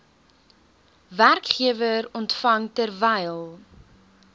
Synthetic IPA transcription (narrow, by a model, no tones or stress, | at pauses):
værkχiəvəɾɔntfɐŋtərvɛjlˠ